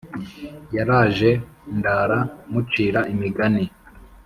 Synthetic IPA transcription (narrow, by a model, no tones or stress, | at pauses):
jaɾaːʒe̞ndaːɾamut͡ʃiːɾaʔimiɡani